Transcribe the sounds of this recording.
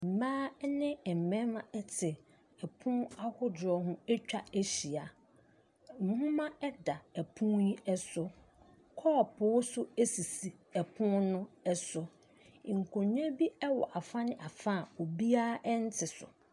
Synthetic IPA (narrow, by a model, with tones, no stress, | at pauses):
m̩˨mãː˦nɪ̃˦˨m̩˨mɛ̃˦mã˦ɛ˦tʰɪ˨ | ɛ˨pʰũ˦a˦hʊ˦dɔ˨ɦʊ̃˦e˦t͡ɕᶣa˦e˦ɕi˨a˨ | m̩˨hũ˦mã˦ɛ˦da˨ɛ˨pʰũ˦ji˦ɛ˦sʊ˨˦ | kʰɔː˦˨pʰʊ˨˦sʊ˦e˦si˨si˨ɛ˨pʰʊ̃˦nʊ̃˦ɛ˦sʊ˨ | ŋ̩˨kʰõ˨ɲ˦e˦bi˦ɛ˦wɔ̰˨ʔa˨fã˦nɪ̃˦ʔa˨fã˦˨o˨bi˦a˦ʔɛ˦n̩˦tʰɪ˨sʊ̰˨